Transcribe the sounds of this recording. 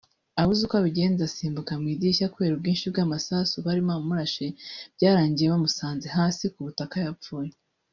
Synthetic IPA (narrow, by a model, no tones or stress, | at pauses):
aβuzikoaβiɟe̞ːnzasiːmbukamŋiːdiʃakwe̞ːɾub̚ɡiːnʃibɡaːmasasuβaɾimaumuɾaʃeb̥ɟaːɾaːɲɟijeβamusaːnze̞ɦaːsikuβutakajapfuːje